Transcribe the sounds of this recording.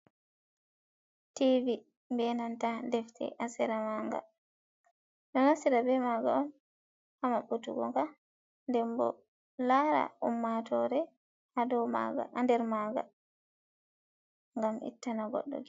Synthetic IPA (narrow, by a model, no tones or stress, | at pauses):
tivi | mbɛnantadɛftʰɛ̰ʔasiɾamaŋɡa̰ | ɗɔnasiɾabɛmaɡa̰ɔn | amaɓutuɡɔ̰ŋka | ndɛmbɔ̰ | laɾa̰umːatɔɾɛ | adɔaɡaandɛɾmaɡa̰ | ŋɡamʔḭtːanaɡɔ̰ɗːɔ̰ɡi